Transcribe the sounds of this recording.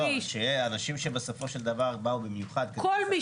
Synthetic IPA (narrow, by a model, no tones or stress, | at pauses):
oʃeanaʃimʃebeso̞fo̞ʃe̞ld̪avaʁbaubemjuχad̪kkolmi